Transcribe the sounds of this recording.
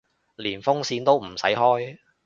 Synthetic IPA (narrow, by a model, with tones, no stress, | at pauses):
liː˨˩nfʊ˥ŋsiː˧nt̪o˥wm̩˨˩sɐ˨˥jɦɔː˥j